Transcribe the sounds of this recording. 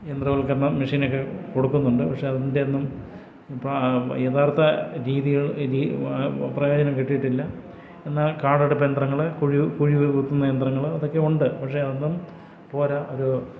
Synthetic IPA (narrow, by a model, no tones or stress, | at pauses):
jend̪rɐʋɐɭkːenːɐmɐʂiːnokːeko̞ɽukːunːuɳɖɨpɐkʂe̞ɐðinde̞nːum | pɐjet̪ʰaːrt̪ɐɾiːðiɣɐɭɾiːprɐjo̞ːd͡ʑɐnɐmkiʈːijiʈːilːɐ | enːaːlkaːɽɐɽupːend̪rɐŋːɐɭkuɻikuɻit̪ːunːɐjend̪rɐŋːɐɭɐðo̞kːe̞uɳɖɨpɐkʂe̞ɐðenːum | po̞ːɾɐʔo̞ɾu